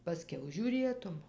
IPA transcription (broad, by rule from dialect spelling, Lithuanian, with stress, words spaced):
pɐˈsʲkʲɛʊ ʒʲuːˈrʲeːtʊm